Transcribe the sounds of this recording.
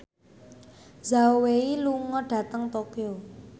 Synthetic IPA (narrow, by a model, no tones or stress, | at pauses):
zaoweiluŋɔɖ̥ä̤t̪əŋt̪okio